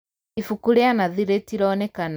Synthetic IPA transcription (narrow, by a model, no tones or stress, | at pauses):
ifukuɾeanaðiɾetiɾɔːnɛkan